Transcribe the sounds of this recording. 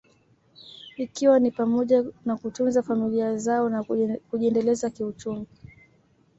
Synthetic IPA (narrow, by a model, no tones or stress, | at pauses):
ikiwanipamɔʄanakutunzafamiliazaɔnkuʄiɛndɛlɛzakiut͡ʃumi